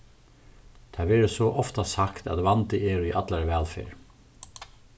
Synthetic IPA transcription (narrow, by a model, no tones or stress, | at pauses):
t̪ʰaːʋɛːɾəsɔʔɔft̪asakt̪a̰ðʋant̪ɪʔɛːɾiʔat̪laɹʋɛːlfḛːɹ